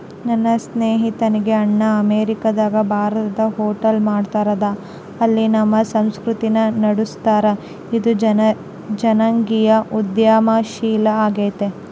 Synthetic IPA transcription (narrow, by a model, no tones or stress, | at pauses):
nɐnːɐsneːɦit̪ɐniɡe̞ɐɳːɐɐmeːɾikɐd̪aːɡɐbʱaːɾɐt̪ɐd̪ɐɦoːʈɐlmaːɖt̪aːɾɐd̪ɐ | ɐlːinɐmːɐsɐmskɾut̪inɐnɐɽust̪aːɾɐ | id̪u | d͡ʒɐnɐŋɡijɐʔud̪jaːmaːʃiːlɐaːɡeːt̪e